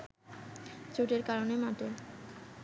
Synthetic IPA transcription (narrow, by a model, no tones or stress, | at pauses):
t͡ɕuʈeɾkaɾonemaʈe